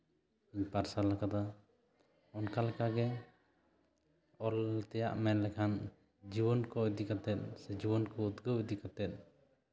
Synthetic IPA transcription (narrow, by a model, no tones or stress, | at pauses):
ɲpaɾsalakad̪a | ɔnkalɛkaɡɛ | ɔlt̪ɛjaʔmɛnlɛkʰan | d͡ʒibɔnkɔid̪ikat̪ɛt̪̚sɛd͡ʒibɔnkɔut̪ɡəwid̪ikat̪ɛt̪̚